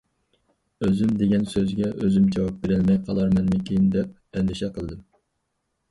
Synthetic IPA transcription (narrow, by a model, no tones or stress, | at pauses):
øzymd̪eɡʲɛnsøzɡʲɛʔøzymd͡ʒɛwɑp̚beɾɪlmɛjqʰɑlˠɑɾmɛnmɪkʲʰejind̪ɛp̚ | ɛnd̪ɪʃɛqʰəlˠɨd̪ɨm